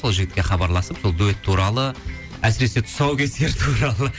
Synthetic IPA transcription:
so̞lˠʒɪɡʲɪt̪kʲe̞χɑbɑɾlˠɑsəpso̞lˠd̪uet̪ʰːuɾɑlˠə | æsɪɾe̞se̞t̪ʰʊ̥sɑwkʲʰe̞se̞ɾt̪ʰuɾɑlˠə

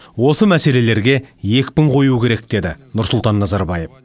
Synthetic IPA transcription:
wo̞səmæse̞le̞le̞ɾɡʲe̞je̞kʲpɪɴqʰo̞jukʲeɾe̞k̚d̪̥e̞d̪ɪnʊɾsʊlˠt̪ɑnːɑzɑɾbɑje̞f

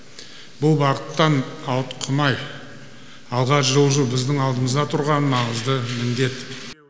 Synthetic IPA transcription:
bʊlˠbɑqət̪ːɑnɑwət̪qʰʊmɑj | ɑlˠʁɑʃʒolˠʒubɪzd̪ɪŋɑlˠd̪əməzd̪ɑt̪ʰʊɾʁɑnːɑɴəzd̪əmɪnd̪e̞t̪

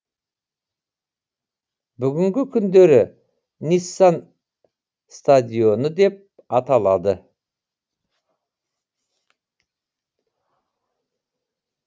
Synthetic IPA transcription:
bʏɡʲɪŋɡʲɪkʲʰʏnd̪e̞ɾɪ | nisːɑn | st̪ad̪ʲijo̞nəd̪e̞p̚ | ɑt̪ɑlˠɑd̪ə

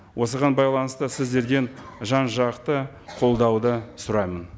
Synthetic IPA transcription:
wʔo̞səʁɑnbɑjlˠɑnəst̪əsɪzd̪e̞ɾɡʲe̞nʒɑnʒɑqt̪ə | qʰo̞lˠd̪ɑwd̪əsʊɾɑjmən

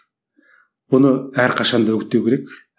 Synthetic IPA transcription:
b̥ʊnəæɾqʰɑʃɑnd̪ɑɵkʲɪt̪ːewkʲʰeɾekʲ

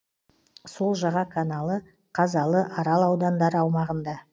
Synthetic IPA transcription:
so̞lˠʒɑʁɑkʰanɑlˠə | qʰɑzɑlˠəʔɑɾɑlˠɑwd̪ɑnd̪ɑɾəɑwmɑʁənd̪ɑ

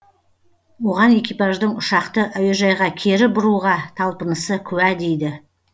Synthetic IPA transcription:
wo̞ʁɑne̞kʲijpɑʒd̪əɴʊʃɑqt̪əʔæweʒɑjʁɑkʲʰe̞ɾɪbʊɾuʁɑt̪ʰɑlˠpənəsəkʲʰɵwæd̪e̞jd̪ɪ

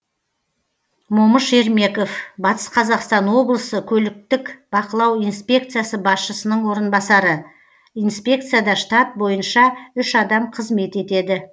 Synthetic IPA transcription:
moməʃe̞ɾme̞ko̞fbɑt̪ə̥sqʰɑzɑqst̪ɑnwo̞blˠəsəkʲʰɵlɪk̚t̪ɪkb̥ɑqəlˠɑwijnspʲe̞k̚t̪sɨjasəbɑsʃəsənəɴwo̞ɾənbɑsɑɾə | ijnspʲe̞kt̪sɨjad̪ɑʃt̪ɑt̪̚bo̞jənʃɑʏʃɑd̪ɑmqʰəzme̞t̪e̞t̪e̞d̪ɪ

